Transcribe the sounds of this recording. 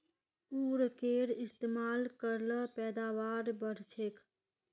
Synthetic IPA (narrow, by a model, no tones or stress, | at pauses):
puːɾkeːɾɪst̪eːmaːlkəɾləpɛːd̪aːʋaːɾbəɾt͡ʃʰeːk